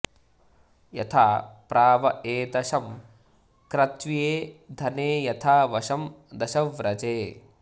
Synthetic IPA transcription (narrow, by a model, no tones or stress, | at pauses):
jɐ̰t̪ʰaːpɾaːʋɐeːt̪ɐʃɐm | kɾɐt̪ʋijeːd̪ʱɐneːjɐt̪ʰaːʋɐʃɐm | d̪ɐʃɐʋɾɐd͡ʒeː